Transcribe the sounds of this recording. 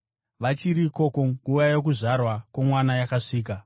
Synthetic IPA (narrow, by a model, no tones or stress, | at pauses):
ʋat͡ʃiɾiko̞koŋɡujajo̞k̬uʐarwakwomwanajakaʂiːk̬a